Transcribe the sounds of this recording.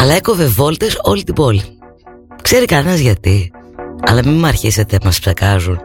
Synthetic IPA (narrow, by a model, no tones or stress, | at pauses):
ɐlɐe̞ko̞ve̞vo̞lt̪eso̞lit̪ibo̞li | kse̞ɾikɐnenɐzʝɐt̪iɐ̰lɐmimɐɾçise̞t̪emɐspsekɐzun